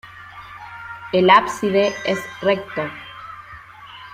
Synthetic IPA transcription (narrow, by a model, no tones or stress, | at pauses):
elapsiðeesrek̚t̪o